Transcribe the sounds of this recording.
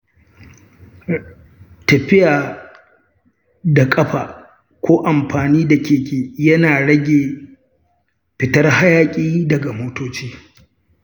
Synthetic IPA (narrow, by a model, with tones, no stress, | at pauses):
tɐ˨ɸɪ˦jaː˨ | da˨kʼɐ˦ɸaː˨ | kʷoː˦ʔa˨mɸaː˨niː˦da˨kʲeː˨kʲeː˨jɐ˦naː˨ɽɐ˦ɡʲeː˨ | ɸɪ˨tɐ˦rha˦jaː˦kʲʼiː˦dɐ˨ɡa˨moː˦toː˦t͡ʃiː˦